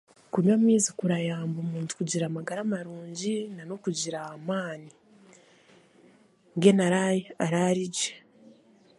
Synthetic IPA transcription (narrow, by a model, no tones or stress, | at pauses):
kuɲwaːmiːzikuɾajaːmbomuːntu̥kuɟiɾaːmaɡaɾamaɾuːɲɟinanokuɟiɾaamaːni | ŋɡe̞naɾajeaɾaɾiɟe